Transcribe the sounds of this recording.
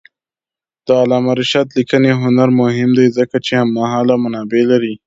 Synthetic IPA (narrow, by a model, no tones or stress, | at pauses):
d̪̥əalɑmaɾɪʃɑd̪likəneɦʊnaɾmʊɦɪmd̪ajzəkat͡ʃehamːaɦɑlamanɑbelaɾi